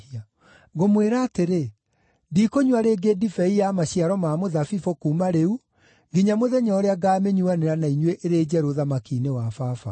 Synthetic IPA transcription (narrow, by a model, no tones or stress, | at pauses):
ia | ɣomweɾaːteɾe | dikoɲwaɾeːɡedifɛijamaɕiaɾɔmaːmoðafifokuːmaɾeu | ɡiɲamoðɛɲɔɾeaɡaːmeɲuaneɾanaiɲweʔeɾed͡ʑɛɾoðamakiːnewafaːfa̰